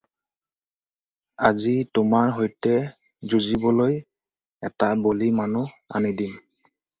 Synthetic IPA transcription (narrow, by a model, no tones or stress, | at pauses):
azitʊmaɹɦojtɛ | zuzibɔloj | ɛtabolimanu | a̰nidim